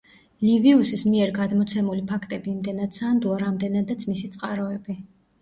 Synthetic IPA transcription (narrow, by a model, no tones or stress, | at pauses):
liviusismiɛɾɡad̪mɔt̪sʰɛmulipʰakʰt̪ʼɛbiːmd̪ɛnad̪sand̪uaɾamd̪ɛnad̪at̪sʰmisit̪sʼqʼaɾɔɛbi